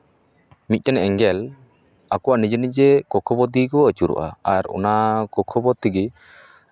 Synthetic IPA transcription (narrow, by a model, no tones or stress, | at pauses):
mic̪̚ˀʈɛnɛŋɡɛl | akɔwaʔnid͡ʒənid͡ʒɛkɔkʰɔbɔt̪̬ikɔət͡ʃuɾṵʔa̰aɾɔ̰nakɔkʰɔbɔt̪iɡi